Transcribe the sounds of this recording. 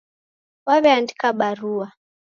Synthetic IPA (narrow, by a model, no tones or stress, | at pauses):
waβɛandikaɓaɾua